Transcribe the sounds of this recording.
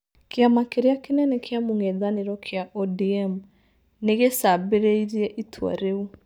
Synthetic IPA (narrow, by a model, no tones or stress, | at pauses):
keamakeɾeakenɛnɛkʰeamoŋɛðaneɾɔkʰeaʔɔdiɛm | neɣesabeɾeiɾiɛʔitʰwa̰ɾeu